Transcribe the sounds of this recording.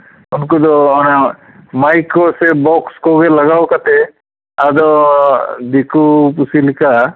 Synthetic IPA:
unkud̪ɔana | majkːɔsɛbɔkskɔɡɛlaɡawkat̪ɛ | ad̪ɔ | d̪ikupusilika

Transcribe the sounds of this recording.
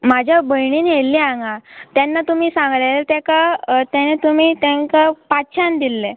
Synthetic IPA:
mad͡ʑʱjabəjɳiːnelːiãŋɡat̪janːat̪um̤iːsãŋɡlat̪ɛkat̪janet̪um̤iːt̪aŋkapatɕʰand̪ilːe

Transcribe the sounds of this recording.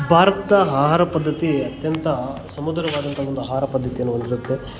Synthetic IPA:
bʱaːɾɐt̪ɐɦaːɦaːɾɐpɐd̪ʱːɐt̪iɐt̪jɐnt̪ɐsɐmud̪ɾɐʋaːd̪ɐnt̪ɐʋond̪uɦaːɾɐpɐd̪ʱːɐt̪ijɐnːuond̪iɾut̪ːe̞

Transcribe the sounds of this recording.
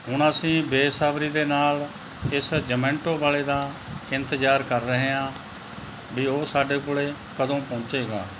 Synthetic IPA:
ɦʊɳəsĩːbeːsaːbɾiːd̪eːnaːl | ɪsd͡ʒəmẽːɳʈoːbaːleːd̪aː | ɪnt̪əd͡ʒaːɾkəɾːəɦeːãː | biːoːsaːɖeːkoːɭeː | kəd̪õːpõːt͡ʃeːɡa̰ː

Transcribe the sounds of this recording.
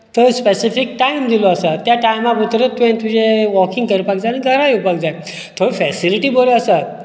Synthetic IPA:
t̪ʰospesifik̚ʈaimd̪iloəsat̪jaʈajmaput̪ɾet̪uẽnt̪ud͡ʑeʋɔkĩŋɡkəɾpak̚d͡zajniɡʱəɾajupakd͡zaj | t̪ʰoɾifɛsiliʈiboljoəsat̪

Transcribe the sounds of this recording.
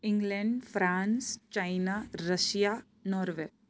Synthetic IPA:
ɪ̃ŋɡlɛɳɖfɾãːnst͡ʃajnaɾɐʃja | nɔːɾʋeː

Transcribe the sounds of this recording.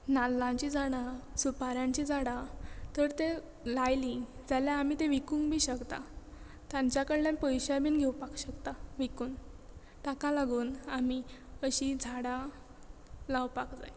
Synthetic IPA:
nalːãɲt͡ɕid͡zaɽ̃asupaɾjãɲt͡ɕid͡zʱaɽat̪əɾt̪e | lajlid͡zaljaːmit̪ẽʋikũŋɡbʱiːɕəkt̪a̰ | t̪jãɲt͡ɕjakəɽljanpəjɕajbiːnɡʱewpakɕəkt̪aʋikuːn | t̪akalaɡuːnamiəɕid͡zʱaɽa | lawpakd͡za̰j

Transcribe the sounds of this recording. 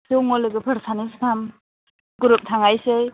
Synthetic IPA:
sewŋɔlɯɡɯpʰəɾsanistʰam | ɡuɾup̚tʰaŋajsej

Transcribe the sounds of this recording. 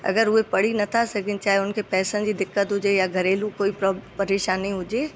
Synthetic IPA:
ɐ̰ɡəɾʊɦepɐɽ̤inɐt̪ʰasɐɡʱɪ̃nt͡ɕaːɦeʊnkʰepɛːsənd͡ʑiːd̪ɪkːət̪ɦʊd͡ʑejaɡʱɐɾeːlũkoːipɾpɐɾeːʃaːniɦʊd͡ʑeː

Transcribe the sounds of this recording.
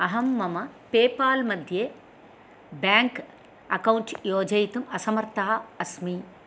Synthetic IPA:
ɐɦɐmːɐmɐpeːpaːlmɐd̪ʱjeː | bjaːŋk | ɐkɐwɳʈjoːd͡ʒɐjt̪ɐmɐsɐmɐɾt̪ɐɦɐɐsmi

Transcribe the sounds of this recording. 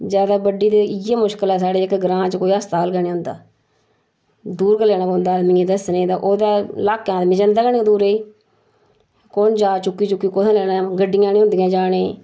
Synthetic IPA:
d͡ʒjaːd̪aːbəɖiːd̪eːɪjaːmʊʃkəlɛːs̬aːɽeːɪkɡɾãːt͡ʃkoːiːəst̪aːlɡɛːɽẽːʊ̃nd̪a̰ː | d̪uːɾkəlːɛːnaːkond̪aːd̪mɪ̃ːẽːd̪əsnẽːd̪ãːʔoːd̪aːlaːkːjãːd̪mɪ̃d͡ʒə̃nd̪aːɡənĩːd̪uːɾeiː | kond͡ʒaːt͡ʃʊkːiːt͡ʃʊkːiːkoːt̪ʰãːlɛːnãːɡəɖːɪjãːniːɦʊ̃nd̪ɪjãːd͡ʒaːɽeː

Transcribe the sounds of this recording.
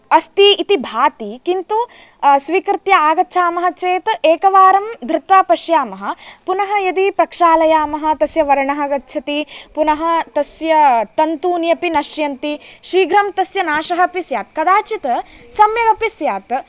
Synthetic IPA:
ɐst̪iːt̪ibʱaːt̪ikint̪u | sʋiːkɾɪt̪jɐaːɡɐtːʃʰaːmɐɦɐt͡ʃeːt̪eːkɐʋaːɾɐmd̪ʱɾɪt̪ʋaːpɐʃjaːmɐɦɐ̆punɐɦɐjɐd̪ipɾɐkʂaːlɐjaːmɐɦɐ̆t̪ɐsjɐʋɐɾɐɳɐɦɐɡɐtːʃʰɐt̪ipunɐɦɐ̆t̪ɐsjɐt̪ɐnt̪uːnjɐpinɐʃjɐnt̪iʃɾiːɡʱɾɐmt̪ɐsjɐnaːʃɐɦɐɐpisjaːt̪̚kɐd̪aːt͡ʃit̪ɐsɐmjɐʋɐpisjaːt̪

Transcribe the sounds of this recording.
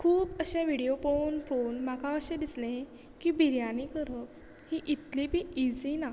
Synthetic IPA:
kʰuːbəɕẽʋiɽijopounfonmakaəɕẽd̪islẽ | kibʱiɾjanikəɾəp | hiʔit̪libʱiːʔid͡zina

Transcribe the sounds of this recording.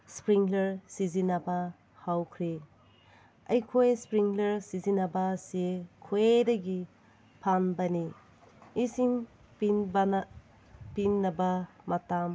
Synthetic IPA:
spɾiŋleɾsizinaba | hawkʰɾi | ɐjkʰojspɾiŋleɾsizinabasekʰoedaɡi | pʰanbani | isiŋ | ib | pinːaba | matam

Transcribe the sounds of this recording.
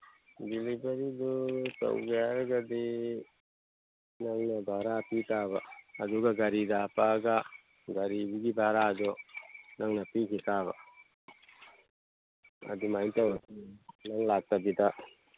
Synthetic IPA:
dilibaɾidɔta̰wɡeaɾɡad̪i | naŋnɐbʱaɾapitabaːd̪uɡaɡɐɾidapaɡa | ɡaɾibiɡibʱaɾad̪ɔnaŋnapikʰitaβa | ɐ̰d̪imajt̪awat̪inaŋlak̚tabit̪a

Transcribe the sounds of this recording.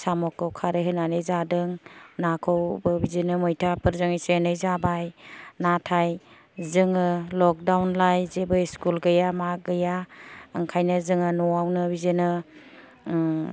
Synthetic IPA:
samɔkːɯwkʰaɾeɦɯnanezadɯŋnakʰɔwbɯbizenɯmɔjtʰapʰɯɾzɔŋisenɯjzabajnatʰaj | zɯŋɯlɔk̚dawnlajzebɯiskulɡɯjamaɡɯjaɯŋkʰajnɯzɯŋɯnɔawnɯbizenɯ

